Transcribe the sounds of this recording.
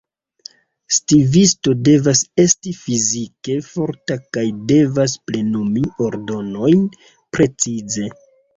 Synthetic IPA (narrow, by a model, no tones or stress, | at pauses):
stivisto̞de̞vase̞stifizike̞fo̞ɾtakajde̞vasple̞numio̞ɾdo̞no̞jn | pɾe̞t͡size̞